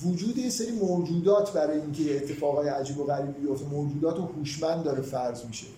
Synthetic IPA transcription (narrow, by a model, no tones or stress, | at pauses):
vod͡ʒuːd̪ejeseɾiːmod͡ʒuːd̪ɒːt̪ʰbæɾɒːjeiːŋcʰejeːt̪ʰːe̞fɒːɣɒːjeæd͡ʒiːboɣæɾiːbbijo̞ft̪emod͡ʒuːd̪ɒːt̪ohuːʃmænd̪d̪ːɒːɾefæɾzmiʃe